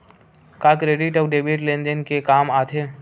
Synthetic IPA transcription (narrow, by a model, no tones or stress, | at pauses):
kaːkɾeːɖɪʈɔbɖeːbiʈlẽnd̪ənkekaːmaːt̪ʰe